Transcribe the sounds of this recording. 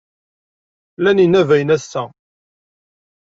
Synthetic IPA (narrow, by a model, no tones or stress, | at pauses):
læninævæjənæsːæ